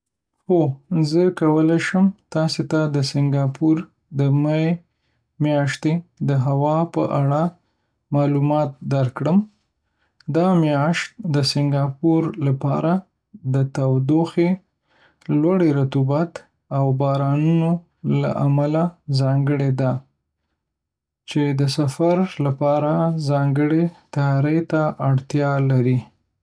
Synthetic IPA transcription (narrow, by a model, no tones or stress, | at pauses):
xozəkawəlaʃəmt̪ɑset̪ad̪əsɪŋɡɑpʰuɾ | d̪əmae | mjɑʃt̪ed̪əɦawɑpə̰ʔaɽa | mɑlumɑt̪̚d̪aɾkɽəm | d̪ɑmjɑʃt̪̚d̪əsɪŋɡɑpuɾlapɑɾa | d̪ət̪awd̪oxe | lwaɽeɾat̪ubat̪ | awbɑɾɑnuno | la̰ʔamalazɑŋɡəɽed̪a | t͡ʃed̪əsafaɾlapɑɾazɑŋɡəɽet̪ajɾəjt̪aʔaɽt̪jɑlaɾi